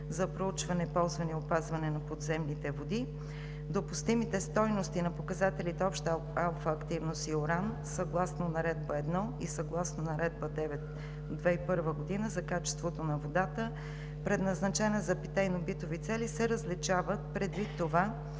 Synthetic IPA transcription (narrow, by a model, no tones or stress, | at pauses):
zɐpɾout͡ʃvɐnɛpɔlˠzvɐnɛopazvɐnɛnɐpod̪zɛmnit̪ɛvod̪i | d̪opʊst̪imit̪ɛst̪ɔjnost̪inɐpokɐzat̪ɛlit̪ɛɔpʃt̪ | alˠfɐːkt̪ivnost̪ioɾan | sɐɡlˠasnonɐɾɛd̪̚bəɛd̪nɔisɐɡlˠasnonɐɾɛd̪̚bəd̪ɛvɛt̪ | d̪vɛipɤɾvəɡod̪inəzɐkat͡ʃɛ̥st̪vot̪onɐvod̪at̪ə | pɾɛd̪nɐznɐt͡ʃɛnɛzɐpit̪ɛjnobit̪ovit̪sɛlisɛɾəzlit͡ʃavət̪̚pɾɛd̪vit̪ːova